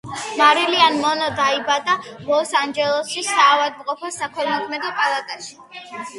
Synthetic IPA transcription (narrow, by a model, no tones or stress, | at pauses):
maɾilianmɔnɔd̪aibad̪alɔsand͡ʒɛlˠɔsisaːvad̪̚mqʼɔpʰɔsakʰɔɾmɔk̪ʰmɛd̪ɔpʼalˠat̪ʼaʃi̥